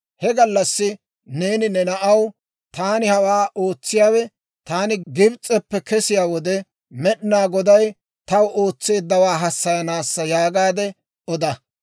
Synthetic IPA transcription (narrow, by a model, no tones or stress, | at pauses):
hɛɡɐlːɐsːɪ | neːnɪnɛnɐʔɐw | t̪aːnɪhɐwaːʔo̞ːt͡sːɪjaːwɛ | t̪aːnɪɡɪbt͡sʼːɛpːɛkɛsɪjaːwɔd̪ɛ | mɛɗɪnaːɡɔd̪ɐj | t̪ɐwʔo̞ːt͡sːe̞ːd̪ːɐwaːɦɐsːɐjɐnaːsːɐjaːɡaːd̪ɛ | ʔɔd̪ɐ